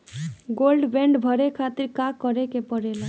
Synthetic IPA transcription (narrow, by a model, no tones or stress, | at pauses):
ɡolɖbeɳɖbʱʌɾekʰat̪iɾkakːʌɾekepɔɽela